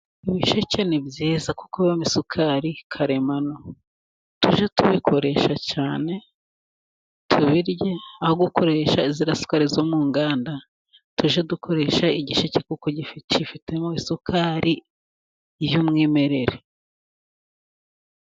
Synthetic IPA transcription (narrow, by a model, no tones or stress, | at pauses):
iβiʃece̞nebɟiːzaku̥koβomisukʰaɾikʰaɾe̞mano | tuʒetuβikʰo̞ɾe̞ʃacaːne̞ | tʰuβiɾjeahoɡuko̞ɾe̞ʃaiziɾasu̥kaɾizomuːŋɡaːnda | tuʒedukʰo̞ɾe̞ːʃaiɟiʃecekuko̞ɟificifite̞moisukʰaɾʔi | jumŋeːme̞ɾe̞ɾe